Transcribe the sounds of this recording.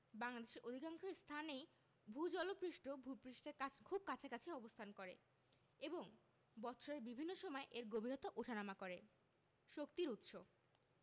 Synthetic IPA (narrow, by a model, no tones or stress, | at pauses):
baŋlad̪eʃeɾʔod̪ʱikaŋʃeɾst̪ʰanej | bʱud͡ʑɔlopɾiʃʈobʱupɾiʃʈeɾkʰub̚kat͡ɕʰekat͡ɕʰiɔbost̪ʰankoɾḛ | eboŋ | bɔt̪ːʃʰoɾeɾbibʱinːoʃɔmɔeʔeɾɡobʱiɾot̪oʔoʈʰanamakoɾe | ʃokt̪iɾut̪ʃo